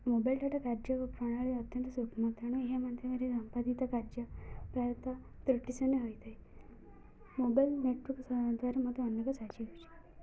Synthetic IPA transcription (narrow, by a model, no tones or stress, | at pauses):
mobajlʈaʈakaɾd͡ʒəʋpɾɔɽ̃aɭeət̪jənt̪sukʰmat̪aɽ̃ueɦemant̪jemaɾisəmpad̪it̪akaɾd͡ʒəpɾajət̪a | t̪ɾuʈːisɔneɦojt̪ʰaj | mobajlneʈʋɔɾksd̪ʱʋaɾemɔt̪ɔənjekɔsat͡ʃiɦojt͡ʃʰi̥